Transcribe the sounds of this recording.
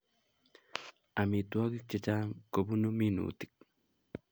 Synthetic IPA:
a˨mi˨t̪u˦a˦ki˦k̚t͡ʃe˨t͡ʃa˦ŋko˨bu˦nu˦mi˦nṵː˨t̪i̥˨k̚

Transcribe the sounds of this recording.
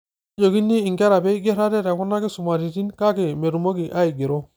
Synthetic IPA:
d͡ʒo˨ɡi˦nːi˦i˨ŋɡe˦ɾa˨be˦i˦ɡe˦ɾa˦de˦ɾa˨ku˦na˦ke˦su˨ma˨ɾi˨ti˦nka˦ke˨me˨ɾu˨mo˦ɡi˨ʔa˦i˨ɡi˨ɾo˦

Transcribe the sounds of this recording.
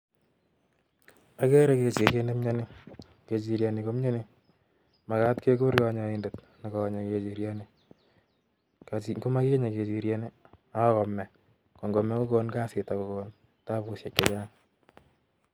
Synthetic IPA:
a˨kɛ˦ɾɛ˦ke˨t͡ʃi˨ke˦ne˦mɲa˦ni˦ | ke˨t͡ʃi˨ɾja˨ni˨ko˦mɲa˦ni˦ | ma˨ka˦tke˦ko˦ɾka˦ɲa˨inde˨t | na˨kɔ˨ɲa˨ke˨t͡ʃi˨ɾja˦ni˦ | kako˦ma˦ki˦ɲa˨ke˨t͡ʃi˨ɾje˨ne˦a˦kɔ˨mːɛ˨ | kɔ˨ŋɡɔ˨mɛ˨˦ko˦kɔ˦nka˦sɪ˨ta˨ko˨kɔn | ta˦pu˦sje˨kːe˦t͡ʃa˦ŋ

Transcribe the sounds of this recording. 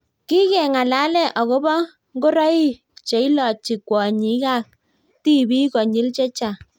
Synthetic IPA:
ki˦kɛ˨ŋa˨la˨˦lɛ˦ʔɔ˨ɣo˦bɔ˦ | ŋɡo˦ɾɔ˦i˦ | t͡ʃe˨˦i˦lɔ˨t͡ʃi˨kwɔ˨ɲi˨˦ka˦k̚ | ti˦bi˦kɔ˨ɲɪ˦lt͡ʃe˦t͡ʃa˨

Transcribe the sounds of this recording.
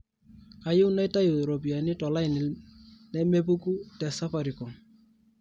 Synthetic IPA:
a˨jʊ˦wna˦ɪ˦ta˦ju˨ɾo˨p̬i˨a˨nɪ˦tɔ˨la˦ɪ˨nɪ˨lnɛ˦me˦p̬u˦ku˦tɛ˨sa˦fa˨ɾi˨ko˨ŋ

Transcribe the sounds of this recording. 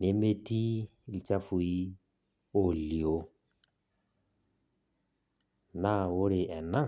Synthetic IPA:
ne˨˦me˦ti˦˨ | lt͡ʃa˦fu˨i˦ | o˨li˨o˦ | na˦wʊ˦ɾɪ˨ɛ˨na˦

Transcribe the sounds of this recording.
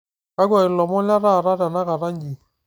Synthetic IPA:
ka˦ɡwa˨ɪ˨lɔ˨mɔ˦la˦ɾa˦˨ɾa˦ɾa˨na˦ka˨ɾa˦ɲɡi˨

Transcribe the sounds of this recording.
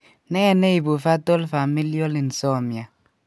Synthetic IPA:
nɛ˦˨ne˦i˨bu˨fa˦to˦lfa˨mi˦li˦o˦li˨n̩˨so˦˨mja˨

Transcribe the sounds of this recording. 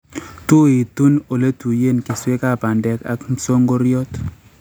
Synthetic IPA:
tu˦i˨tu˦no˨le˦tu˨je˦˨nke˨swe˦ka˦˨pa˨ndɛ˨˦ka̰˦km̩˦so˦ŋɡo˦ɾjɔ˦t

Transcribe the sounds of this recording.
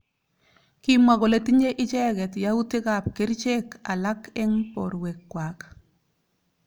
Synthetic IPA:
ki˦mwa˨kɔ˨le˦ti˦ɲe˦ʔɪ˦t͡ʃɛ˦kɛ˨tja˦u˦ti˦ka˨p̚kɪ˦ɾt͡ʃe˦ka˨la˦kɛ˦ŋpɔ̰˨ɾwe˨kːwa˨k

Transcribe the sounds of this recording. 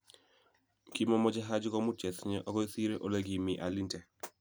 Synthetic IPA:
ki˦mɔ˦mɔ˦d͡ʒa˦ɦa˦d͡ʒkɔ˦mu˦t͡ʃɛ˨sɲɛ˦ʔɔ˦kɔ˦i˦si˦ɾe˦ʔo˨le˦ɡi˨mi˨ʔa˨li˦ntɛ˨

